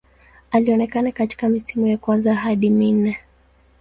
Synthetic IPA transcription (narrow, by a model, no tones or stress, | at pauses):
aliɔnɛkanakati̥kamisimujakwanzaɦaɗimin̩ɛ